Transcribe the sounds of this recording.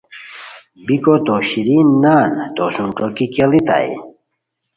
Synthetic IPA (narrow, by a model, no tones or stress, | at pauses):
bikot̪oɕiɾinːaːnt̪osũnʈ͡ʂokikelit̪a̰j̰